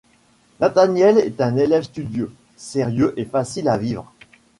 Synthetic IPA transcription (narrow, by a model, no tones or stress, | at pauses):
nat̪anjɛlɛt̪ɛ̃nelɛvst̪yd̪jø | seʁjøʔefasilavivʁ